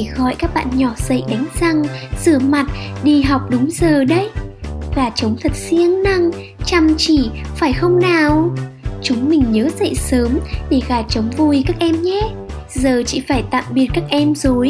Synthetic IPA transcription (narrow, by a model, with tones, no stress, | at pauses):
xɔ˧˩jkaː˦˥k̚ɓa̰ː˧˨nɲɔ˧˩z̥ə̰˧˨jɗa˨˦jŋ̟za˧ŋz̥ɨ˧˩əma˨˩t̚ɗi˧˩ɦa˨˩wk͡p̚ɗʊ˨˦ŋ͡mzəː˨˩ɗə˨˦jɣaː˧˩t͡ɕə˨˦wŋ͡mt̪ʰə˨˩t̚si˧əŋna˧ŋ | t͡ɕa˧˩mt͡ɕi˧˩faː˧˩jxə˧wŋ͡mnaː˨˩wt͡ɕʊ˨˦ŋ͡mmï˨˩ŋ̟ɲəː˨˦zə̰˧˨jsəː˨˦mɗe˧˩ɣaː˧˩t͡ɕə˨˦wŋ͡mvu˨˩jkaː˦˥k̚ʔɛ˧mɲɛ˦ | zəː˨˩t͡ɕḭ˧˨faː˧˩jt̪a̰ː˧˨mɓi˨˩ət̚kaː˦˥k̚ʔɛ˧mzo˨˩j